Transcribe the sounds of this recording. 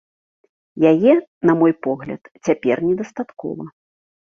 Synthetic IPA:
jajɛnɐmɔjpɔɣlʲɐ̰t̪t͡sʲapʲɛrnʲɛd̪ɐst̪at̪kɔ̰vɐ

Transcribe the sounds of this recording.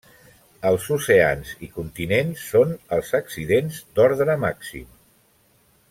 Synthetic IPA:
əlˠzusea̰nzikunt̪inensːonəlˠzəksiðenzd̪ɔɾðɾəmaksḭm

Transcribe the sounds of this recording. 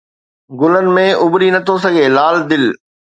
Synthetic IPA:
ɡʊlənɪ̆mẽʊbɾinɐt̪ʰos̬ɐɡʱeːlaːld̪ɪl

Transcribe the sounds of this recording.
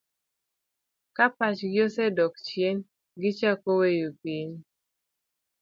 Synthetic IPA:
kapat͡ʃɡjosɛdɔkt͡ʃjen | ɡɪt͡ʃakowejopiɲ

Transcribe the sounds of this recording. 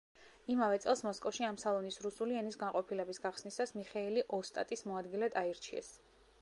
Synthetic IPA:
imavɛt̪sʼɛlˠsmɔskʼɔfʃiamsalˠɔnisɾusuliɛnisɡanqʼɔpʰilɛbisɡaχsnisasmiχɛiliʔɔst̪ʼa̰t̪ʼismɔad̪ɡilɛd̪ʰʼaiɾt͡ʃʰiɛ̰s

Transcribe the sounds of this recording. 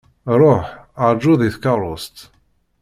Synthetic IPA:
ɾɔħad͡ʒuðiθkaɾɔst̪

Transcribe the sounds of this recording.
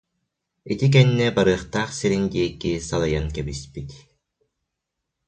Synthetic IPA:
it̪ik̬ɛnːɛbaɾɯːχt̪aːχsiɾind̪iɛkisalˠajankɛbispit̪

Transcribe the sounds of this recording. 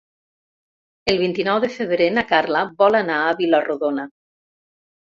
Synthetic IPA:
elˠβ̞int̪inɔwðefeβɾenakaɾlaβɔlanaːβilaruðona

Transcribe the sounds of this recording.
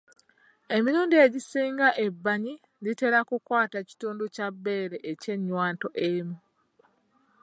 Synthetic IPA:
e̞miɾuːndieɟisiːŋɡaʔe̞bːaɲi | lite̞ɾakukwaːtaci̥tuːnducabːe̞ːɾeʔece̞ɲːwaːnto̞ʔemu

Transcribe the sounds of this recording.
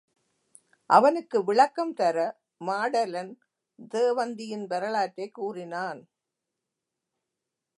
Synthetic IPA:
ʔɐʋɐnɯkːɯʋɪɭɐkːɐmt̪ɐɾɐ | maːɽɐlɐn | d̪eːʋɐnd̪ɪjɪnbɛɾɐɭaːtːɐɪkːuːrɪnaːn

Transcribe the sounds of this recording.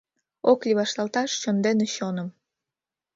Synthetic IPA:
oklʲiβɑʃlɑlt̪ɑʃt͡ɕond̪eneɕonəm

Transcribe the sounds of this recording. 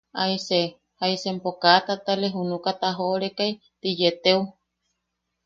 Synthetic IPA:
aise | haisempokat̪at̪aleɦunukat̪aɦooɾekaj | t̪ijet̪eu

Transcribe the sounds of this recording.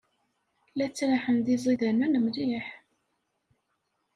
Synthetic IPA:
læt͡sːɾaħənd̪izˤiðænænəmliħ

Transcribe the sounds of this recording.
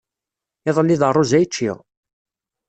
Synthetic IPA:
ɪðˤəlːiðərˤːozæjt͡ʃːḭʁ

